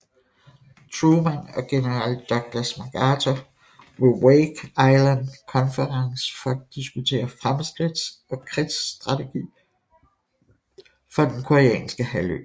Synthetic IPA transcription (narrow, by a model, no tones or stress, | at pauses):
t͡sʰʁuːmænɒ̽ɡ̥e̝nəʁɑl̰d̥ɒ̽ɡ̥̚l̥ɐsmɑɡ̥ɑːt͡sʰo | ʋeweːɡ̥ɑ̈ɪlænkʰɒ̽nfəʁɑ̈ŋsfɒ̽æd̥isɡ̥ut͡sʰe̝̰ːɐfʁamsɡ̥ʁid̥sɒ̽kʰʁid̥sd̥ʁɑ̈t͡sʰe̝ɡ̥ḭː | fɒ̽d̥enkʰoʁiɛ̰ːnsɡ̥əhælø̰